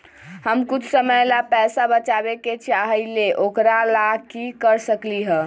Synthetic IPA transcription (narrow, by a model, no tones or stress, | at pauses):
ɦəmkut͡ʃʰsəməjlapɛsabət͡ʃabeket͡ʃʰaɦileʔokɾalakikəɾsəkliɦə̃